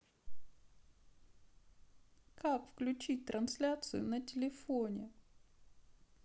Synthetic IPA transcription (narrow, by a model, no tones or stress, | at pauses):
kakfklʲʉt͡ɕit̚ʲt̪ɾʔɐnslʲat̪sɨjʊ̰nətʲɪlʲɪfonʲɪ